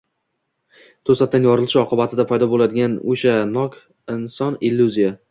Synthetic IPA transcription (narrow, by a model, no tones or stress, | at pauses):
t̪ʰosat̪ʰːanjɒɾɨlˠʃɪɒqɨbat̪ʰɪd̪apʰajd̪ɒbolad̪ɪɡʲanoʃanɒk | ɪnsɒnilːuzija